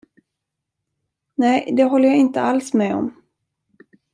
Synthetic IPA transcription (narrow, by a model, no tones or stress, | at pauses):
nɛjd̪ɛɦɔlːəjaɪnt̪əalsmɛɔ̰m